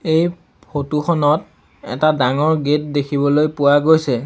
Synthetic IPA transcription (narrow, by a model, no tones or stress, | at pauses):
ej | pʰotuxʰɔnɔt̚ | ɛ̰tadaŋɔɹɡet̚dekʰibɔlojpʊwaɡojsɛ